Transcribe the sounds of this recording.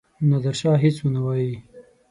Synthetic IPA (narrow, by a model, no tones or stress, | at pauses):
nad̪aɾʃɑːɦɪt͡swənawɑji